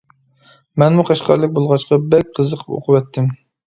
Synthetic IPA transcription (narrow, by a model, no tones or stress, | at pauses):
mɛnmuqʰɑʃqʰɑ̰ɾlˠɪk̚ʲbolˠʁɑʃqʰɑbɛk̚ʲqʰəzəqʰə̥po̰qʰʊwɛt̪ʰːɪm